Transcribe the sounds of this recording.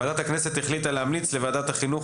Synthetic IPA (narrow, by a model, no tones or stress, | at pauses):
aːd̪at̪haknese̞t̪eχlit̪alehamlit͡slevaːd̪at̪haχinuχ